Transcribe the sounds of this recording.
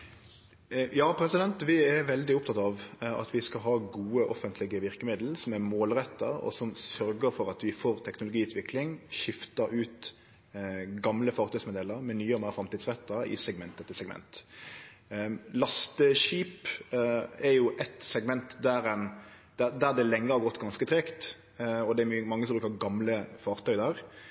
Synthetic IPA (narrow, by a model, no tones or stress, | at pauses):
jɑːpʰɾɛsɪd̪ɛnt̪ʋɪɛɾʋɛld̪ɪʊp̚t̪ʰɑt̪ɑʋɑ̰t̪ʋɪskɑɦɑːɡuːəʔɔfənt̪ʰlɪɡəʋɪɾkəmɪd̪l̩sɔmɛɾmoːlɾɛt̪ːəɾɔ̰sɔmsœɾɡəɾfɔɾɑt̪ʋɪfoːɾt̪ʰɛknʊlʊɡiːʉːt̪ʰʋɪklɪŋʃɪft̪ɑɾʉːt̪ | ɡɑmləfɑːɾt̪œʏsmɛd̪eːləɾmɛnyːəmæːfɾɑmt̪iːd̪sʁɛt̪ːɑɪ̰sɛɡmɛnt̪ɛt̪ːɪsɛɡmɛ̰nt̪ | lɑst̪əʃiːp | ɛɾjʊʔɛt̪sɛɡmɛnt̪d̪æɾɛn | d̪̥æd̪æɾd̪ɛlɛŋːəhɑʁɡɔt̪ːɡɑnskət̪ʰɾɛkt̪ | ɔd̪ɛæɾmmɑŋːəsɔmbɾʉkəɑɡɑmləfɑːʁt̪ʰœʏd̪ɑɾ